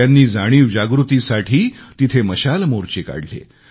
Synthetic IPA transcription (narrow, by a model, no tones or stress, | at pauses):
anːiːd͡zaɽ̃iːʋd͡ʑaɡɾut̪isaʈʰiːt̪it̪ʰeməɕalmoɾt͡ɕeka̰ɽlḛ